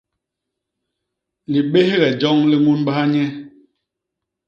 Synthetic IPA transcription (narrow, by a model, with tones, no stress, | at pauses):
li˨ɓe˦hɣɛ˨d͡ʒɔ˦ŋli˦ŋu˦nɓa˦a˦ɲɛ˦